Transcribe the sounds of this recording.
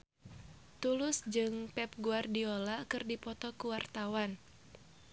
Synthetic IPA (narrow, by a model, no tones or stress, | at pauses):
t̪ulʊsd͡ʒɨŋpɛp̚ɡuardiolakɨrdipɔt̪ɔkuwart̪awan